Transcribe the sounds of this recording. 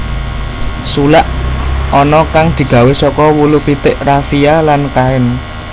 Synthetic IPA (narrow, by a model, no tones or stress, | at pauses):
sulaʔɔnɔkaŋd̪̥i̤ɡ̥ä̤wesɔkɔwulupit̪ɪʔrafialankaɪn